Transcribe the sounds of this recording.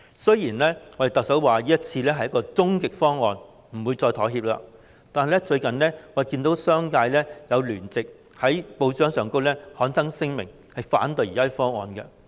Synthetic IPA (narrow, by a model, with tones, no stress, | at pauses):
sɵ˥jjiː˨˩nlɛː˥ŋɔ˨˧d̪e˨jt̪ɐ˨k̚sɐ˨˥wwaː˨jiː˥jɐ˥t̚t͡sʰiː˧lɛː˥ɐ˨jːɐ˥kɔː˧t͡sʊ˥ŋkɪ˨k̚fɔː˥ŋːɔː˨˧n | m̩˨˩wuː˨˧jt͡sɔː˧jt̪ʰɔː˨˥jɦiː˧p̚la̰ː˧ | t̪aː˨nɦjlɛ˥t͡ʃɵ˧ɥkɐ˨nlɛː˥ŋɔ˨˧˥e˨kiː˧nt̪o˨˥wsœː˥ŋkaː˧jlɛː˥jɐ˨˧wlyː˨˩nt͡sɪ˨k̚ | hɐ˨˥jpo˨˧wt͡ʃœː˨˥ŋsœː˨˩ŋko˥wlɛː˥hɔː˨˥nt͡sɐ˥ŋsɪ˥ŋmɪ˨˩ŋ | hɐ˨jfa̰ː˨˥nt̪ɵ˨˧ɥjiː˨˩ɐː˥fɔː˥ŋɔ̰ː˨nkɛ̰˧